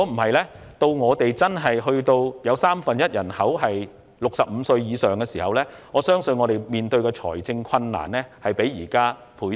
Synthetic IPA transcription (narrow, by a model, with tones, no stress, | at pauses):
ɔ˨˥m̩˨˩ɦɐ˨jlɛː˥t̪o˧wŋɔː˨˧t̪e˨jt͡sɐ˥nɦɐ˨jɦɵ˧ɥt̪o˧wjɐ˨˧wsaː˥mfɐ˨njɐ˥t̚jɐ˨˩nhɐ˨˥wɦɐ˨j | lʊ˨k̚sɐ˨p̚m̩˨˧˦sɵ˧ɥjiː˨˧sœː˨ŋkɛː˧siː˨˩hɐ˨wlɛː˥ŋɔː˨˧sœː˥ŋsɵ˧nŋɔː˨˧t̪e˨˩jmiː˨nt̪ɵ˧ɥkɛː˧t͡sʰɔ̰ː˨˩jt͡sɪ˧ŋkʷʰɐ˧nːa̰ː˨˩nlɛː˥hɐ˨jpe˨˥jjiː˨˩kaː˥ | pʰuː˨˥